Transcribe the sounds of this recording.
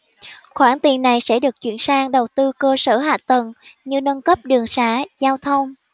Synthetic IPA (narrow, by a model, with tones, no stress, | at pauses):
xwaː˧˩nt̪i˨˩ənːa˨˩jsɛ̰˧˥ɗɨ˨˩ək̚t͡ɕwḭ˧˩ənsaː˧ŋɗə˨˩wt̪ɨ˧kəː˧səː˧˩ɦa̰ː˨˩t̪ə˨˩nɲɨ˧nə˧nkə˦˥p̚ɗɨ˨˩əŋsaː˧˩zaː˧wt̪ʰə˧wŋ͡m